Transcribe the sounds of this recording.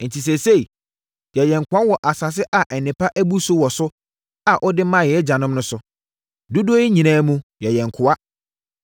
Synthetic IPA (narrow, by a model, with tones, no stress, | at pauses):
n̩˨tʰi˨s̬ɛ˨se˦˨i˨ | jɛ˨jɛ̃˨ŋ˨kʰʊ˨˦a˦wɔ˨ʔa˨sa˨s̬ɪ˦ʔa˨ʔɛ˨nɪ̃˨pʰa˦ʔæ˦bu˦sʊ˦wɔ˨sʊ˦ | a˨ʔɔ˦dɪ˦mã˦˨jɛ˨˦d͡ʑa˨nʊ̃˦m˦nʊ̃˦sʊ˨ | du˦du˦o˦i˦ɲĩ˨nãː˦mũ˦jɛ˨jɛ̃˨ŋ˨kʰʊ˨a˦